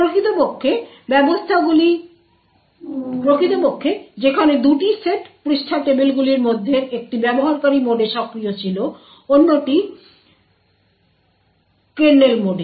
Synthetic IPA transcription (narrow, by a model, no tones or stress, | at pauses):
pɾokʰit̪opokʰːe | bɛbost̪ʰaɡuli | pɾokʰit̪opokʰːed͡ʑekʰaned̪uʈiseʈpɾiʃʈʰaʈemelɡuliɾmod̪ʱːeɾek̚ʈibɛboɦaɾkaɾimoɖeʃɔkɾijot͡ɕʰilo | onːoʈi | kenːelmoɖe